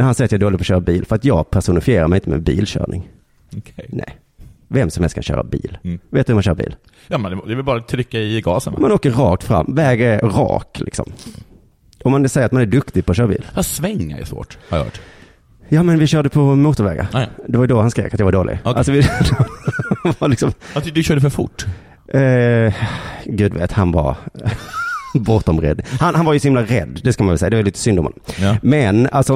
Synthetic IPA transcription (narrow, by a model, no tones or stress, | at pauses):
hansɛjːɾt̪jɑaɛɖoːlɪpɔɕœːɾabiːlfœɾat̪jɑːɡpʰæʂʊnɪfɪjeːɾaɾmɛɪɪnt̪əmɛ̰bḭːlɕœ̰ːɳɪŋ | ɔkʰɛnɛ̰j | vɛmsɔmhɛlskʰanɕœ̰ːɾʔa̰bḭːlveːt̪ɵhʉmanɕœːɾabḭːl | jɑːmɛnd̪ɛd̪ɛvɪlbɑːɾat̪ʰɾʏkːaɪɡɑ̰ːsənmanoːkːəɾɾɑːk̚t̪fɾa̰mːvɛːɡɛɾɾɑ̰ːklʔɪ̰ksɔ̰m | ɔmːansɛjəɾat̪manæɖɵkt̪ɪɡ̚pʰɔɕœːɾabḭːlhasvɛŋːa̰ɾɛ̰svo̰ːʈaɾj̰ɔ̰ | jɑːmɛnvɪɕœːɖəpʰɔmuːt̪ʊɾvɛ̰ːɡa̰d̪ɛvaɾjɵd̪ɔhanskɾḛːkat̪jɑvaɖoːlɪ̰ɡalsɔvɪd̪ | valɪksɔmd̪ɕœːɖəfœɾfʊ̰ʈː | ɡʉ̟ːd̪vḛːt̪hanva̰ɾ | bɔt̪ɔmɾɛ̰d̪ːhanhanvaɾjʉsɔhɪmlaɾɛ̰d̪ːd̪ɛskamanvɛlsɛjːad̪ɛvaliːt̪ə̥sʏnd̪ɔmhɔ̰nːɔmmɛnalsɔ